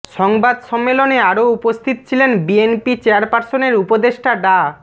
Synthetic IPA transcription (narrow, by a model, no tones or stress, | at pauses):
ʃɔŋbad̪ʃɔmːeloneaɾoupost̪ʰit̪ot͡ɕʰilenbienpit͡ɕeaɾpaɾsoneɾupod̪eʃʈaɖa